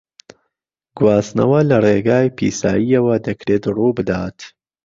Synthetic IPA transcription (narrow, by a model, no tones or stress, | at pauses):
ɡwɑːsnɐ̰wɐlɐreɡaːjpʰḭːsaːjijɐwɐd̪ɐkɾeːt̪ruːbɨd̪aːt̪